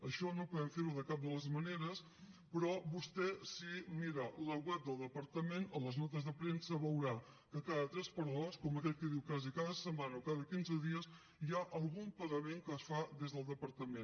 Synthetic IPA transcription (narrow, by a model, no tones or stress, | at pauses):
əʃɔnopuðɛmfeɾuðəkap̚d̪ələzməneɾəs | pɾɔβust̪ɛsimiɾələɣwɛp̚d̪əlˠd̪əpəɾt̪əmenələznɔt̪əzðəpɾensəβəwɾa | kəkaðət̪ɾɛspəɾoskɔməkɛt̪̚kəðiwkazikaðəsəmanəokaðəkinzəðiəs | jaʔəlˠɣumpəɣəmeŋkəːsfaðezðəlˠd̪əpəɾt̪əmen